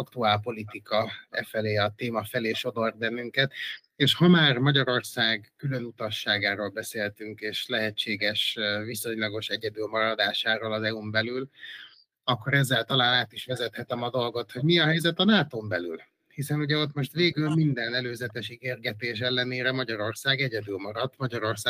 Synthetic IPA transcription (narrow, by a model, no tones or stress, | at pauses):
ɒkt̪uaːlpo̞lit̪ikɒɛ̰fɛleːɒt̪eːmɒfɛleːʃo̞d̪o̞rd̪̚bɛnːyŋkɛt̪ | eːʃhɒmaːrmɒɟɒɾo̞rsaːɡkylønut̪ɒʃːaːɡaːɾolbɛseːlt̪yŋkeːʃlɛɦɛt͡ʃːeːɡɛʃviso̞ɲlɒɡo̞ʃɛɟɛd̪ylmɒɾɒd̪aːʃaːɾoːlɒzɛumbɛlyl | ɒkːo̞ɾɛzːɛlt̪ɒlaːnaːt̪iʃʋɛzɛt̪hɛt̪ɛmɒd̪o̞lɡo̞t̪ho̞ɟmiɒɦɛjzɛt̪ɒnaːt̪oːmbɛly̰l | hisɛnuɟɛo̞t̪mo̞ʃt̪ʋeːɡylmind̪ɛnɛløːzɛt̪ɛʃiɡeːrɡɛt̪eːʃ̬ɛlːɛneːɾɛmɒɟɒɾo̞rsaːɡɛɟɛd̪ylmɒɾɒt̪mɒɟɒɾo̞rsaː